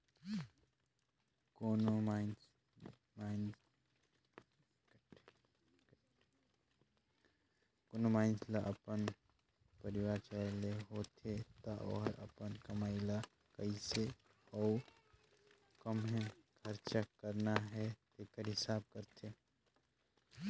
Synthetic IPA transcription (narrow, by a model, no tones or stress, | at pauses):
koːnoman | mn | konomaːɪnslaʔɐpən | pəɾɪwaːɾt͡ʃaleɦoːt̪ʰet̪aʔɔ̰ɾɐ̰pənkɐmaːɪla | kɐise | ɔː | kəmɦɛkʰɐɾt͡ʃakəɾnaɦɛt̪ekəɾɦɪsaːb̚kəɾt̪ʰeː